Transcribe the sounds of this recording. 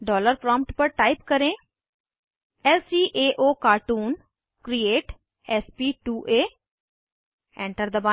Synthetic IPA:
ɖɔːləɾpɾɔ̃ːmpʈpəɾʈaːɪpkəɾẽː | ɛːlsiːʔeːʔoːkaːɾʈuːn | kɾieːʈ | ɛspiːʈuːʔeː | ɛ̃ːɳʈəɾd̪əba

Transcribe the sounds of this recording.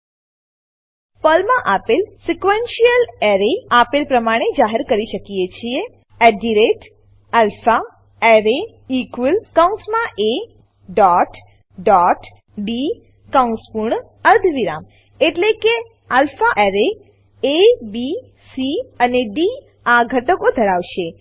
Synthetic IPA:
pəlmãʔapilsikʋenʃijəleɾeapilpɾəmaɽ̃ed͡ʒaɦeɾkəɾiʃəkijet͡ʃʰie | ɛɖiɾeʈ | alfa | ɛɾe | ikʋəlkaw̃nsmãʔe | ɖɔʈ | ɖɔʈ | ɖi | kaũnspuɾɳ | əɾd̪ʱʋiɾa̰m | eʈleke | alfaʔeɾe | ebi | siəneɖi | aɡʱəʈəkod̪ʱəɾaʋʃe

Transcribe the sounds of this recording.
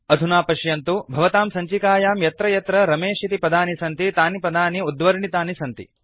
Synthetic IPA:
ɐd̪ʱunaːpɐʃjɐnt̪ubʱɐʋɐt̪aːmsɐɲt͡ʃikaːjaːmjɐt̪ɾɐjɐt̪ɾɐɾɐmeːʃit̪ipɐd̪aːnisɐnt̪it̪aːnipɐd̪aːniud̪ʋɐɾɳit̪aːnisɐnt̪ḭ

